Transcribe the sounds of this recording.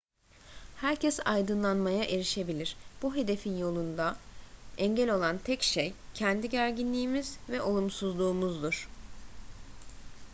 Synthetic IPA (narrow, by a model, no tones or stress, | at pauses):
hæɾcʰɛsa̰jd̪ɯnlˠanmajaʔe̞ɾiʃe̞bilʲiɾ̥b̥uɦe̞d̪e̞finjo̞lˠund̪a | ɛɲɟɛlʲo̞lˠant̪ʰɛcʃejcʰɛnd̪iɟæɾɟinlʲiːmizvɛʔo̞lˠumsuzlˠuːmuzd̪uɾ̥